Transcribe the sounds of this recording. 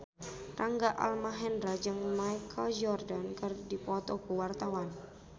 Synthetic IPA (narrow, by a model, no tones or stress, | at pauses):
raŋɡaʔa̰lmaɦɛndɾad͡ʒɨŋmajkʰald͡ʒɔrdankɨrdipɔt̪ɔkuwart̪awan